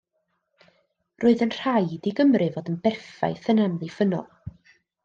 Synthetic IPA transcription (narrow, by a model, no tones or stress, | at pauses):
roːɨðənr̥ajdiɡəmrɨvɔdənbɛrfa̰jθənamlˠifənɔ̰lˠ